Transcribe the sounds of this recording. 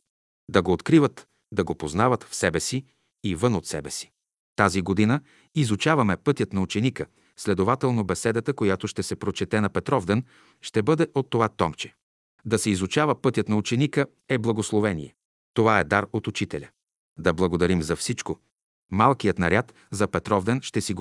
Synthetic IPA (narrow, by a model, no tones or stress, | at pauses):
d̪ɐɡoːt̪kɾivət̪ | d̪ɐɡopoznavət̪fsɛbɛsi | ivɤnot̪sɛbɛsi̥ | t̪aziɡod̪inə | izʊt͡ʃavɐmɛpɤt̪ʲjət̪nɐut͡ʃɛnikə | slɛd̪ovat̪ɛlˠnobɛsɛd̪ət̪əkojat̪oʃt̪ɛsɛpɾot͡ʃɛt̪ɛnɐpɛt̪ɾɔvd̪ɛn | ʃt̪ɛbɤd̪ɛʔot̪ːovat̪ɔmt͡ʃɛ̥ | d̪ɐsɛizut͡ʃavəpɤt̪jət̪nɐut͡ʃɛnikə | ɛblˠɐɡoslˠovɛnḭjɛ | t̪ovaɛd̪aɾot̪ut͡ʃit̪ɛlʲə | d̪ɐblˠɐɡod̪ɐɾimzɐfsit͡ʃko | malˠkijət̪nɐɾʲat̪ | zɐpɛt̪ɾɔvd̪ɛnʃt̪ɛsiɡ